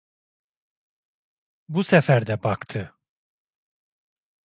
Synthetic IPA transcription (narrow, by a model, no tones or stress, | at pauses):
busɛfæɾd̪ɛbakt̪ʰɯ